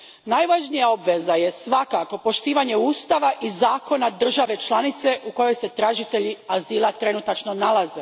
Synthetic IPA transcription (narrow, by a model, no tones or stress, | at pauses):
najʋaʒnijao̞bʋe̞zaje̞sʋakako̞po̞ʃt̪iːʋaɲe̞uːst̪aʋaʔizaːko̞nad̪r̩ʒaʋe̞t͡ʃlanit̪se̞ʔuko̞jo̞jse̞t̪ɾaʒit̪eʎiaziːlˠat̪ɾe̞nut̪at͡ʃno̞nalˠaze